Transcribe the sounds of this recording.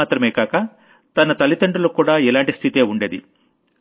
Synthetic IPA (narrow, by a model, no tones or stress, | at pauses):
aːt̪ɾɐmeːkaːkɐ | t̪ɐnɐt̪ɐlit̪ɐɳɖulukuːɽaːɛlaːɳʈist̪ʰit̪e̞ːuɳɖe̞ːd̪ḭ